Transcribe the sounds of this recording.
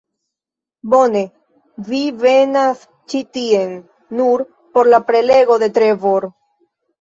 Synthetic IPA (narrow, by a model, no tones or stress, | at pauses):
bo̞ne̞ | vive̞nas | t͡ʃitie̞nː | uɾ | po̞ɾlapɾe̞le̞ɡo̞de̞tɾevoɾ